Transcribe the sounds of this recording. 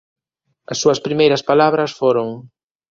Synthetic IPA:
ɐsːuɐspɾimejɾɐspalaβɾɐsfoɾoŋ

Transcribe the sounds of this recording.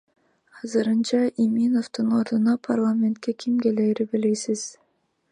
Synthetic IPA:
ɑzɯɾɯnt͡ʃɑʔimʲino̞ft̪ɯno̞ɾd̪unɑpʰarlˠamʲe̞nt̪̚kekʰʲimkeleːɾibilejsiz̥

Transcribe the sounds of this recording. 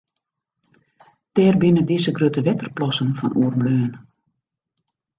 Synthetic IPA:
tɛːrbinədizəɡrøtəʋɛtərplɔsənfɔnʔuːərbløːən

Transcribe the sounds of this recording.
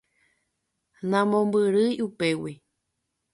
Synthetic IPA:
nãmõmbɨɾɨjupewi

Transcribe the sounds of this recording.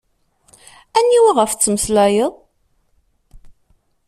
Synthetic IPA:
ænːiwaʁəft͡sːəməslæjəðˤ

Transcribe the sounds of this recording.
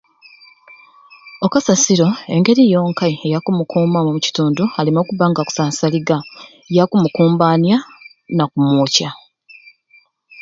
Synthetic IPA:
okasasiɾo̞e̞ŋɡe̞ɾijo̞ːŋkajejakumukuːmamomuci̥tuːndualimo̞ːkuβaŋɡaku̥saːnsaliɡa | jakumukuːmbaːnja | nakumuːca

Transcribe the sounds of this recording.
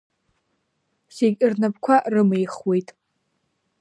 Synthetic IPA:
seɡʲʼɪrnapkʷʰaʔrɨmejχwe̞jtʼ

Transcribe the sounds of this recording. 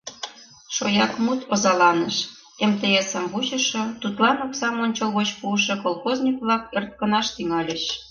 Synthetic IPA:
ʃo̰jɑkmut̪ozɑlɑnəʃ | emt̪eesəmvut͡ɕə̆ʃŏt̪ut̪lɑnoksɑmonʲt͡ɕolɣot͡ɕpuəʃŏkolˠxozʲnʲikβlɑkert̪̚kə̆nɑʃt̪yŋɑlʲeɕ

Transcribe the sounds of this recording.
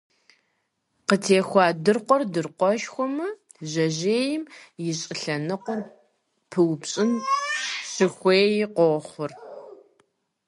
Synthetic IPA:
qətʰeːxʷɑːdɨrqʷɔrdɨrqʷɔʃxʷɔmɐ | ʑɐʑeːjɪmjɪɕʼɪɬɐnɨqʷɔr | pʰɨwpɕʼɪn | ɕɨxʷeːjɪqʷɔχʷʊr

